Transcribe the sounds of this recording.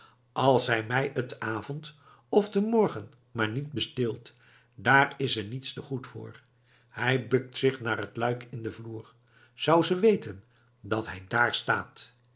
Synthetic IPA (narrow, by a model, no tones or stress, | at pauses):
ɑlˠsɦɛjmɛjətaːvɔnt | ɔfdəmɔɹχən | maːɹnit̚bəstɪlˠt | daːrɪsɛɹnitstəχutfʊ̰ːɹ | hɛjbɵk̚tsɪχnaːɹətlœɥkʰɪndəvluːɹ | z̥ʌwzəʋejtən | dɑtɦɛjdaːɹsta̰ːt